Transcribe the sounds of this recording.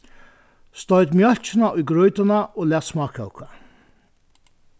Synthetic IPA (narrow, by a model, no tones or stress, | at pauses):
st̪ɔɥt̪mjœlt͡ʃɪnaʊjɡɾɔjt̪anaoːlæːt̪smɑːkʰɔ̰ʊkʰa̰